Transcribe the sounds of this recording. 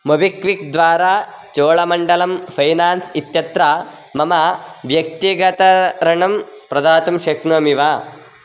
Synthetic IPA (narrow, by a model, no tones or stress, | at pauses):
mobikʋik̚d̪ʋaːɾaː | t͡ʃoːɭɐmɐɳɖɐlɐmpʰɐjnaːnsit̪jɐt̪ɾa | mɐmɐʋjɐk̚t̪iɡɐt̪ɐɾɐɳɐmpɾɐd̪aːt̪ɐmʃɐknɐmiʋaː